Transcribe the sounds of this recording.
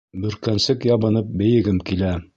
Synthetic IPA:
bɵ̆ɾkænsɘkjɑβɤ̆nɤp̚bɘ̆jɘ̆ɡɘmkilæ

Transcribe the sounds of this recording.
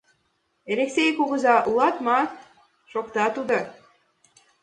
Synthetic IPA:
eɾeksʲejkuɣə̆zɑʔulɑt̪mɑ | ʃokt̪ɑt̪ud̪o

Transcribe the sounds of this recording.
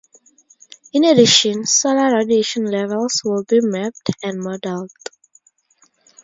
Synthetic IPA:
ĩnediʃə̃nsɔləɹadieʃɔ̃nlɛvɛlˠswɪlbimɛp̚tɛ̃nmɔdɛld

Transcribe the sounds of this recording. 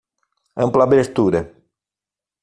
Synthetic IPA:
ɐ̃mplabɾest̪uɾɐ

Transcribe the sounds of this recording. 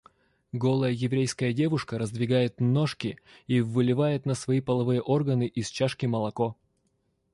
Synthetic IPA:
ɡo̞lˠəjəjɪvɾʲejskəjədʲe̞vʊʂkəɾəzd̪vʲɪɡajɪt̪no̞ʂkʲɪivɨlʲɪvajɪt̪nəsvɐipəlˠɐvɨjəʔo̞rɡənɨʔist͡ɕaʂkʲɪməlˠɐko

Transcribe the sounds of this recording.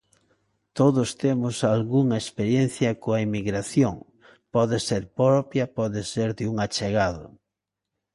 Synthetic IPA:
t̪oðʊst̪emʊsalɣuŋɐespeɾjen̟θjɐkoɐemiɣɾaθjoŋ | pɔðeseɾpɾɔpjɐpɔðeseɾðɪuŋat͡ʃeɣaðʊ̰

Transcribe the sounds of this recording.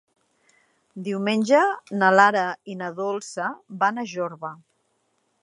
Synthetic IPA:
d̪iwmenʲʒənəlaɾəinəðolˠsəbanəʒoɾβə

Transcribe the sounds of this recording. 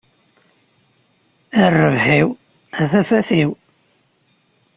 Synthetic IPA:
ərːəvhiw | æθæfæθiw

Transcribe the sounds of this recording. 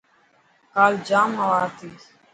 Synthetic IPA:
kaːld͡ʒaːmawaːt̪iː

